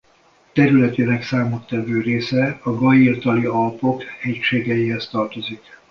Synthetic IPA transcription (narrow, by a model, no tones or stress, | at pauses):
t̪ɛɾylɛt̪inɛksaːmot̪ːɛvøːreːsɛɒɡɒjirt̪ɒliɒlpo̞khɛcʃeːɡɛjiɦɛst̪ɒrt̪o̞zik